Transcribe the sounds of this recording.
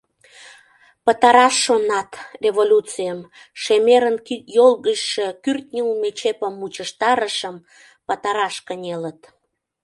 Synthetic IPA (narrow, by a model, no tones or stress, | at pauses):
pət̪ɑɾɑʃːonɑt̪rʲevolʲut͡sijəm | ʃemeɾənkijolɣəʃʃekyrt̪̚nʲiumet͡ɕepəmːut͡ɕəʃt̪ɑɾəʃəm | pət̪ɑɾɑʃkənʲelət̪